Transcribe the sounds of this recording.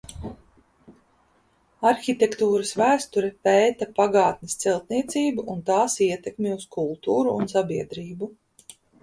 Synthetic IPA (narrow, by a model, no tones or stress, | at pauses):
aɾxʲit̪ʲɛkt̪uːɾɐsvæːst̪uɾɛpɛːt̪apaɡaːt̪nɪst̪sɛlˠt̪niɛt̪siːbuʔunt̪aːsiɛt̪ɛkmʲiuskulˠt̪uːɾuːnsabiɛd̪ɾiːbu